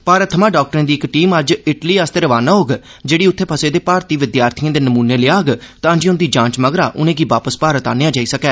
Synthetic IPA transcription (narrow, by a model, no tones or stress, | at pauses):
paːɾət̪ʰːəmãːɖaːk̚ʈəɾẽːd̪iːɪkʈiːməd͡ʒɪʈliːast̪eːɾəʋaːnãːɦoːɡ | d͡ʒeːɽiːʊt̪ʰːeːpʰəseːd̪eːpaːɾt̪iːʋɪd̪jaːɾt̪ʰijãːd̪eːnəmuːneːleːaːɡt̪ãːd͡ʒiːʊnd̪iːd͡ʒãːt͡ʃməɡɾaːʔʊnẽːɡiːʋaːpəspaːɾət̪aːnejaːd͡ʒaːiːsəkɛː